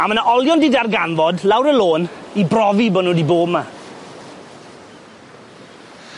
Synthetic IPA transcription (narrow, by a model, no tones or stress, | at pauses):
amənaʔɔljɔndidarɡanvɔdlawɾəloːnibrɔvibɔnudiboːbma